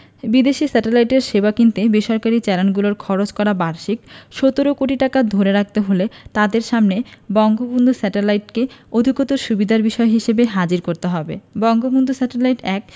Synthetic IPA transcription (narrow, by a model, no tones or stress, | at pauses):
bid̪eʃisɛʈelajʈeɾʃebakint̪ebeʃɔɾkaɾit͡ɕɛɾanɡuloɾkʰɔɾot͡ɕkɔɾabaɾʃikʃot̪oɾokoʈiʈakad̪ʱoɾeɾak̚t̪eɦolet̪ad̪eɾʃamnebɔŋɡobond̪ʱusɛʈelajʈkeod̪ʱiɡɔt̪oʃubid̪ʱaɾbiʃɔeɦiʃebeɦad͡ʑiɾkoɾt̪eɦɔbḛbɔŋɡobond̪ʱusɛʈelajʈɛk